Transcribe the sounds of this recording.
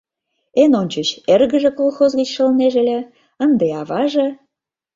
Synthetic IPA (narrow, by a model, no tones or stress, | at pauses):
enonʲt͡ɕət͡ɕerɣə̆ʒĕkolˠxozɣət͡ɕʃə̆lneʒĕlʲĕ | ənd̪eɑβɑʒĕ